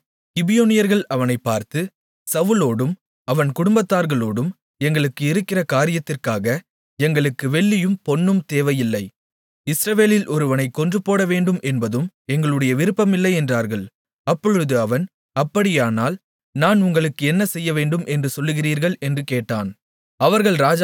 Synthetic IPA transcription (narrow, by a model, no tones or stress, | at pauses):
kɪbɪjoːnɪjɐɾɣɐɭɐʋɐnɐɪpːaːɾt̪ɯ | sɐʋɯloːɽɯm | ɐʋɐnkʊɽʊmbɐt̪ːaːɾɣɐɭoːɽɯm | ɛŋɡɐɭɯkːɯɪɾɯkːɪrɐkaːɾɪjɐt̪ːɪrkaːɣɐ | ɛŋɡɐɭɯkːɯʋɛɭːɪjɯmpɔnːɯmt̪eːʋɐjɪlːɐɪ | ɪsɾɐʋeːlɪlʔɔɾɯʋɐnɐɪkːɔndrɯpoːɽɐʋeːɳɖɯmʔɛnbɐðɯmɛŋɡɐɭɯɽɐjɐʋɪɾɯpːɐmɪlːɐɪɛndraːɾɣɐɭ | ɐpːɔɻɯðɯɐʋɐn | ɐpːɐɽɪjaːnaːl | naːnʊŋɡɐɭɯkːɯɛnːɐsɛjːɐʋeːɳɖɯmʔɛndrɯsɔlːɯɣɪriːɾɣɐɭɛndrɯkeːʈːaːn | ɐʋɐɾɣɐɭɾaːd͡ʒ